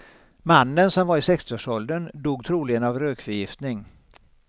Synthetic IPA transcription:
manːənsɔmvaɾɪsɛkst̪ɪoːʂɔld̪ənd̪uːɡ̚t̪ʰɾuːlɪɡənavɾøːkfœɾjɪft̪nɪŋ

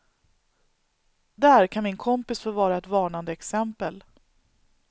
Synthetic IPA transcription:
d̪æɾkʰanmɪnkʰɔmpɪsfoːɾvɑːɾaɛt̪vɑːɳand̪əɛksɛmpəl

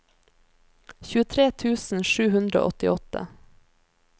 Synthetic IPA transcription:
çʉːət̪ʰɾeːt̪ʰʉːsn̩ʃʉːhʉnd̪ɾəo̰ːʔɔt̪ɪɔt̪ə̰

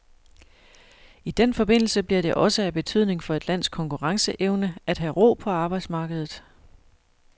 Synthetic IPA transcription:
id̥enfɒ̽b̥e̝n̰l̩səb̥liɐɾ̥e̝ʔɒ̽səæb̥e̝t͡sʰyð̞̰ˠne̝ŋfɒ̽e̝d̥læn̰skʰɒ̽ŋkʰuʁɑ̈ŋsəʔeʊnəæd̥ɦæʁɔ̰ːpʰɒ̽ɑ̈ːb̥ɑ̈ɪd̥smɑ̈ːɡ̥əð̞ˠð̩ˠ

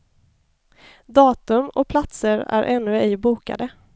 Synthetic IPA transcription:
d̪ɑːt̪ɵmɔ̰pʰlat̪səɾæ̰ɾʔɛnːɵɪːbuːka̰d̪ə

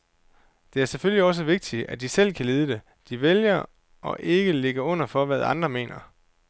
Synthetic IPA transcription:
d̥e̝æɐsefølliɒ̽s̬əʋe̝ɡ̥̚d̥iæd̥isel̰kʰæliːð̞ˠəd̥e̝ | d̥iʋeljɐ | ʔɒ̽ʔe̝ɡ̥əle̝ɡ̥ɐɔ̽n̰ɐfɒ̽ʋæð̞ˠɑ̈nd̥ʁɐme̝̰ːnɐ

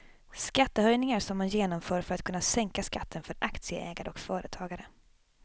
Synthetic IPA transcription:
skat̪ːəhœjnɪŋaɾsɔmːanjeːnɔmfœːɾfœɾat̪̚kʰɵnːasɛŋkaskat̪ʰːənfœɾʔakt̪sɪə̰ʔɛːɡaɾəɔkfœːɾət̪ʰɑːɡaɾə

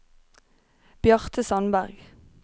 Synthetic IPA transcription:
b̥jœʁt̪ʰəsɑnbæʁɡ

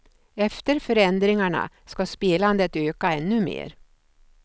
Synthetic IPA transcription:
ɛft̪əɾfœɾɛnd̪ɾɪŋaɳa̰ | skaspiːland̪ət̪øːkaɛnːɵmḛːɾ

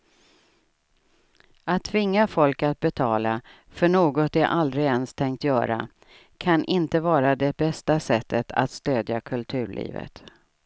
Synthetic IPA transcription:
at̪ʰːvɪŋːafɔlkat̪̚bɛt̪ʰɑːla | fœɳoːɡɔt̪d̪ɛʔald̪ɾɪɛnst̪ʰɛŋkt̪jœːɾa̰ | kʰanʔɪnt̪əvɑːɾad̪ɛbɛst̪asɛt̪ʰːət̪ʰa̰t̪st̪øːd̪jakʰɵlt̪ʰʉ̟ːɭḭːvə̰t̪

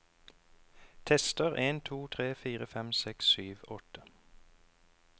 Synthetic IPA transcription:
t̪ʰɛst̪əʁʔeːnt̪ʰuːt̪ʰʁeːfiːʁəfɛmsɛksyːʋɔt̪ə

